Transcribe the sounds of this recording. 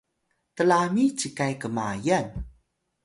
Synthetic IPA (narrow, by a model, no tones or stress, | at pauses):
təlamit͡ɕikajkəmajan